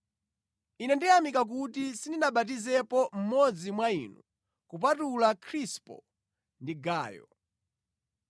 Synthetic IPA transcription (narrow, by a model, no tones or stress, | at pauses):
inɛndijamikak̬utisindinaɓatizɛpɔm̩mɔd͡zimwaḭnu | kup̬atulakʰɾispɔ̰ | ndiɡaːjɔ̰